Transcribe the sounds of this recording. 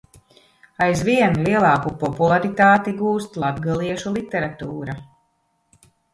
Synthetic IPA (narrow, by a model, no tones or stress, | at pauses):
ajzviɛnlʲiɛlˠɑːkupɔpulˠaɾit̪aːt̪iɡuːst̪lˠab̪ɡalˠiɛʃulˠit̪ɛɾat̪uːɾa